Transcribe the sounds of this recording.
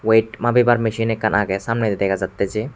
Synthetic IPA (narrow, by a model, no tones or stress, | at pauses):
wejʈmabibaɾmeʃinɛkʰːanʔaɡɛsamnɛd̪ed̪ɛkʰad͡ʒat̪ːɛd͡ʒe